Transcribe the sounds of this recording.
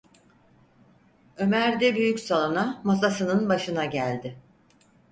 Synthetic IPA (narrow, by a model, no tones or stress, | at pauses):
ø̞mæɾd̪ɛbyjycsalˠonamasasɯnɯnbaʃɯnaɟælʲd̪ɪ